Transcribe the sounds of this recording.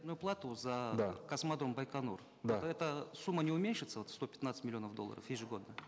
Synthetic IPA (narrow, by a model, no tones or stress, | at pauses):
d̪nʊjʊplˠat̪ʊzad̪akɐsmad̪ɾombajkanor | d̪oat̪ɛt̪əsumːənʲɪʊmʲenʲʂɨt̪səvo̞t̪st̪opʲɪt̪at̪sɨtʲmɪlʲɪo̞nəfd̪o̞lˠːə̰ɾə̰fjeʐɨɡo̞d̪̚d̪a